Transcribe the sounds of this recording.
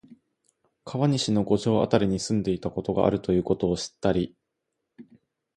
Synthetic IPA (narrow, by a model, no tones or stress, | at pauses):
kʰaβaɲ̟iɕino̞ɡo̞ʑo̞ːa̰t̪aɾʲiɲ̟isɨ̃nd̪e̞it̪ako̞t̪o̞ɡa̰ʔa̰ɾɯ̟t̪o̞jɯ̟ːko̞t̪o̞ːɕi̥t̪ːaɾʲi